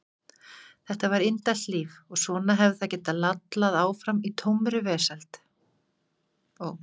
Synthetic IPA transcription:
θɛht̪avaɾɪnt̪at̪liːvɔɣsvɔːnaɦɛvðɪθaðcɛːt̪alat̪laðaːwfɾamit̪ʰowmɾʏvɛːsalt̪ | ɔɣ

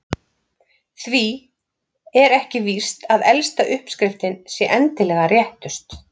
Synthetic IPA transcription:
θvi | ɛɾɛhcɪvi̥st̪aðɛlst̪aʔʏhpskɾɪft̪ɪnsjɛʔɛnt̪ɪlɛɣarjɛht̪ʏst̪

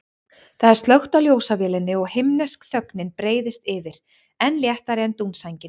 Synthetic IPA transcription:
θaðɛɾ̥st̪lœxt̪awljoːwsavɛːlɪnːɪɔɣhɪmnɛskθœknɪnpɾeːjðɪst̪ɪvɪɾ̥ | ɛnljɛht̪aɾɪɛnt̪unsajɲcɪ

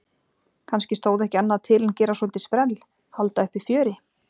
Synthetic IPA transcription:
kʰanscɪst̪oːwðɛhcɪanːaaðt̪ʰɪlancɛːɾasɔlt̪ɪ̥spɾɛl | halt̪aʏhpifjœːɾɪ

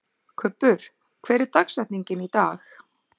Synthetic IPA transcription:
kʰʏpːʏɾ̥ | kʰvɛːɾɪɾt̪aksɛht̪niɲcɪnit̪aːx

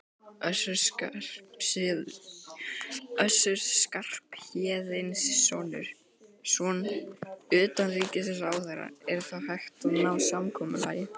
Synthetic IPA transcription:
œsʏɾa | œsʏɾ̥skar̥pçɛːðɪnsːɔnʏ̰ɾ̥ | sɔn | ʏːt̪anriːcɪs̬ɛsawθɛɾa̰ɛɾθaðhajxt̪nawsamkʰɔːmʏ̰la̰ːjɪ

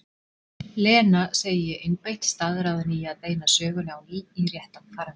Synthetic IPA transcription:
lɛːnaseːjɪʔenpejht̪st̪aðɾaːwðanijaðt̪ejnasœːɣʏljawniirjɛht̪awfʰaɾḁ

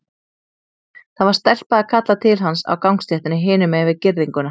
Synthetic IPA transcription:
θaðvaɾ̥st̪ɛl̥paðakʰat̪lat̪ʰɪlɦansa̰wkawŋkst̪jɛht̪ɪnɪɦɪːnʏmɛːvɪðcɪɾðiŋkʏna

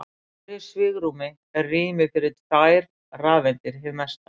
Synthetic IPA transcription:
a | t̪ɾɪsvɪːɣɾuːmɪ | ɛɾriːmɪfɪɾɪtaːjɾ | raːðvɛnt̪ɪɾ̥ɦɪvmɛst̪a

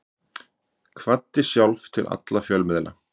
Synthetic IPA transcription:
kʰvat̪ːɪsjawlvt̪ʰɪlʔa̰t̪lafjœlmɪðla̰

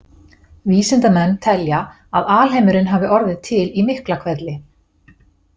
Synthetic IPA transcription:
viːsɪnt̪amɛnːt̪ʰɛlja | aðaːlɦejmʏɾɪnɦaːvɪʔɔɾðɪðt̪ʰɪlimɪhklakʰvɛt̪lɪ

